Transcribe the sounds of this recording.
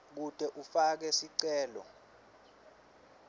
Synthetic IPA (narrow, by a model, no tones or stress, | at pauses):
k̬ud̥ʱɛʔufak̬ɛsiǀɛːlɔ̰